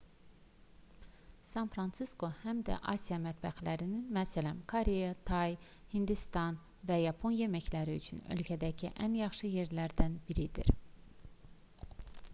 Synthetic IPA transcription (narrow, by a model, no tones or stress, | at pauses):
sɑnfɾɑnt̪sisko̞hæmd̪æ̰ʔɑ̰sijɑmæt̪bæxlæɾininmæsælæmkʰoɾejɑt̪ʰɑj | hind̪ist̪ɑn | væjɑpʰo̞njemæçlæɾiyt͡ʃʰynø̞̰lcʰæd̪æcʰiʔænjɑχʃɯje̞ɾlæɾd̪ænbiɾid̪ḭɾ